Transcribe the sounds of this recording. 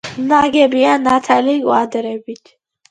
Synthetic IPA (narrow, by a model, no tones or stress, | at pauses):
naɡɛbianat̪ʰaliɡwad̪əɾɛbit̪ʰ